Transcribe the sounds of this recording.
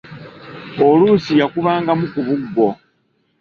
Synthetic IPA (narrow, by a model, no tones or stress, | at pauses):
olusijakuβaːŋɡamukuβuɡːo̞